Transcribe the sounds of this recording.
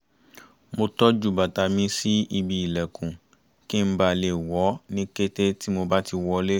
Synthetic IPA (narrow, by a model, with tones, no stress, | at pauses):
mo˧tɔ˦d͡ʒu˦˨ba˨ta˨˦mĩ˧si˦i˧bi˨i˨lɛ˨kʰũ˨ | kĩ˦m̩˦ba˨le˨wɔ˨˦nĩ˦ke˦te˦ti˦mo˧ba˦ti˧wɔ˦le˦